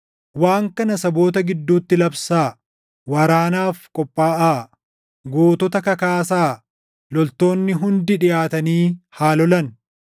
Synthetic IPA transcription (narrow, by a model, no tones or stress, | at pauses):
waːŋkɐnɐsɐbo̞ːt̪ɐɡɪd̪ːuːt̪ːɪlɐbsaː | wɐɾaːnaːfkʼɔpʼːaːʔaː | ɡoːt̪ɔt̪ɐkɐkaːs̬aː | lɔlt̪o̞ːnːɪɦʊnd̪ɪᶑɪjaːt̪ɐniːhaːlɔlɐn